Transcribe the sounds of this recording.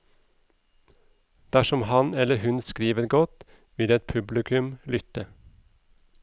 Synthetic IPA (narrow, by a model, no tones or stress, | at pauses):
d̪̥æʃɔmhɑnɛləhʉnskɾiːʋəɾɡɔt̪ | ʋɪld̪eːɛt̪pʰʉblɪkʰʉmlʏt̪ə